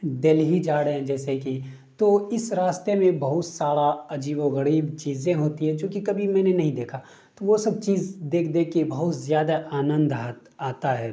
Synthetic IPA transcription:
d̪elɦid͡ʒaːɽɦɛ̃d͡ʒɛːseki | t̪oːɪsɾaːst̪emẽbɐɦʊt̪saːɽaɐd͡ʒiːboɣəɽiːbt͡ʃiːzẽɦoːt̪iɦɛ̃d͡ʒõːkikɐbʱimɛ̃ːnenɐɦĩd̪eːkʰa | t̪oʋosɐb̚t͡ʃiːzd̪eːkʰd̪ẽkibɐɦʊt̪zjaːd̪aʔaːnə̃nd̪at̪aːt̪aɦɛː

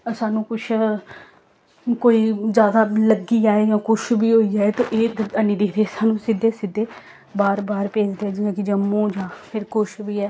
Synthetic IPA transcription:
saːnũːkʊt͡ʃʰ | koːiːzjaːd̪aːləɡiːaːeːd͡ʒãːkʊʃbiːɦoːiːd͡ʒaːet̪õ̰ːʔeːd̪əniːd̪eːɾeːsaːnũːsɪd̪eːsɪd̪eː | baːɾbaːɾpeːd͡ʒd̪eɛːd͡ʒiːãːkɪd͡ʒəmːõːd͡ʒãːpʰɪɾkʊʃbiːɛː

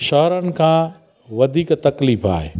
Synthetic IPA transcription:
ʃɐɦɾənɪ̆kʰãː | ʋɐd̪ʱiːkt̪ɐkliːfa̰ːɦḛː

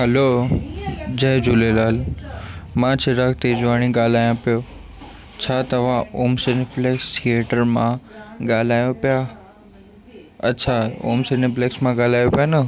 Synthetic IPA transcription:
ɦɐloː | d͡ʑɐd͡ʑulelaːl | mãːt͡ɕʰɪɾakʰt̪ed͡ʑʊaːɽ̃iɡaːl̤aːjõpijoː | t͡ɕʰaːt̪ɐʋ̤ãoːmsenɪfleːkst̪ʰijeːʈəɾmã̰ɠaːl̤aːjõpija | ɐtːt͡ɕʰao̰ːmsenɪpleːksmãɡaːl̤aːjopijanɐ

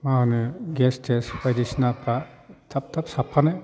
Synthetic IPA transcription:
mahɯnɯɡɛstʰesbajdisnapʰɾatʰap̚tʰap̚sapʰːanaj

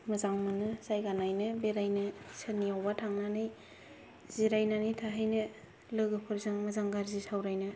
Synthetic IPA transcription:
mɯzaŋmɯnɯzajɡanajnɯbeɾajnɯsʰɯniawbatʰaŋnanɯj | ziɾajnanɯjtʰaɦajnɯ | lɯɡɯpʰɯɾzaŋmɐzaŋɡaɾzisawɾajnɯ

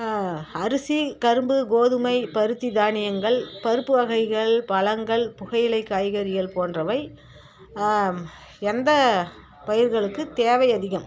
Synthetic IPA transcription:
ɐɾɯsikɐɾɯmbɯɡoːðɯmɐɪpɐɾɯt̪ːid̪aːnɪjɐŋɡɐɭpɐɾɯpːɯʋɐɣɐɪɣɐɭpɐlɐŋɡɐɭpʊɣɐjɪlɐɪkːaːjɣɐɾɪjɐɭpoːndrɐʋɐɪ | ɛnd̪ɐ | pɐjɪɾɣɐɭɯkːɯt̪eːʋɐɪɐðɪɣɐm

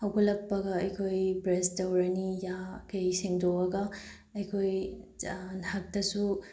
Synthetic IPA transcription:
hɐwɡɐlɐk̚pɐɡɐɐjkʰojbɾestɐwɾɐnijakɐjsiŋdobɐɡɐ | ɐjkʰoj | nhak̚tɐsu

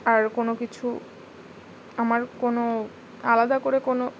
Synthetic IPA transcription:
aɾkonokit͡ɕʰu | amaɾkono | alad̪akoɾekono

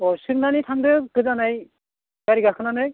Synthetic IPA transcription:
ɔsɯk̚nanitʰaŋdɯkɯzanaj | kaɾiɡakʰɯnanɯj

